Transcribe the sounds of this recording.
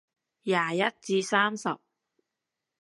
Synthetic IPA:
jaː˨˩jɐ˥t̚t͡siː˧saː˥msɐ˨p̚

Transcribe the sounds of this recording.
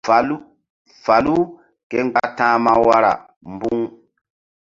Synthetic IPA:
fa˨lu˦ | kɛ˦ŋɡ͡ba˦tã˦ma˦wa˦ɾa̰˨ | mbu˦ŋ

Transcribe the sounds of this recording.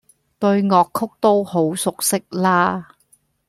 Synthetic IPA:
t̪ɵ˧ɥŋɔː˨kʰːʊ˥k̚t̪o˥who˨˥wsʊ˨k̚sɪ˥k̚laː˥

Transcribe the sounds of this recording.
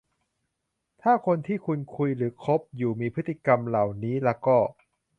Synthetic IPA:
t̪ʰaː˥˩kʰo˧nt̪ʰiː˥˩kʰu˧nkʰu˧jɾɯː˩˦kʰo˦˥p̚juː˨˩miː˧pʰɯ˦˥t̪ʰːi˧˨˩ka˧mla˨˩wniː˦˥lɛː˦˥wkɔː˥˩

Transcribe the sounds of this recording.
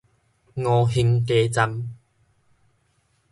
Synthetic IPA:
ŋɔː˧ɦi˧ŋt̪eː˧˦t͡sa˧m

